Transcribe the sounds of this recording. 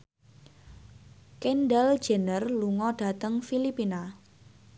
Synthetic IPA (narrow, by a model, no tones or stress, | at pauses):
kenɖɛl̥d͡ʒənərluŋɔɖ̥a̤t̪əŋfilipina